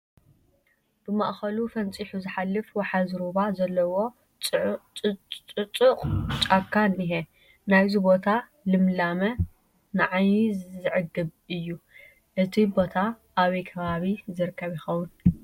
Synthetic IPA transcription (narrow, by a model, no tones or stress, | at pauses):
b̥ɨma̰ʔxɐlufɐnt͡sʼiħuzɨħalːɨfwaħazɾubazɐlːɐwo̞ | t͡ʃʼɨt͡ʃʼʊqʼt͡ʃʼakʰːaniɦe | najzubo̞t̪ʰa | lɨmlamɐ | nɨʕajzzɨʕɨd̪ːɨβɨjːu | ʔɨt̪ʰibo̞t̪ʰa | ʔaβikʰɐβaβizɨɾɨkʰːɐβjɪxɐwʊn